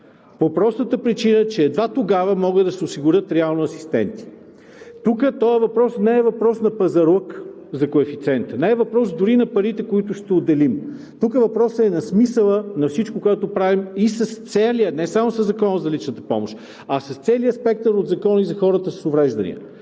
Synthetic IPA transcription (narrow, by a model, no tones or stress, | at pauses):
popɾɔst̪ət̪əpɾit͡ʃinət͡ʃɛːd̪vat̪oɡavəmɔɡəd̪ɐsɛosiɡʊɾʲət̪ɾɛalˠnʊɐsi̥st̪ɛ̰nt̪i̥ | t̪ukət̪ɔəvɐpɾɔsnɛɛvɐpɾɔsnɐpɐzɐɾək | zɐkoɛfit̪sɛnt̪nɛɛvɐpɾɔsd̪ʊɾinɐpɐɾit̪ɛkoit̪ʊʃt̪ɛod̪ɛlim | t̪ukəvɐpɾɔsɛnɐsmisəlˠənɐfsit͡ʃkokoɛt̪opɾavimisɐst̪sɛlijənɛsamosɐzːɐkɔnəzɐlit͡ʃnət̪ə̥pɔ̰moʃt̪ | ɐsɐst̪sɛliəspɛk̚t̪əɾod̪zɐkɔnizɐxɔɾət̪əsə̥sovɾɛʒd̪ɐ̰nḭə̰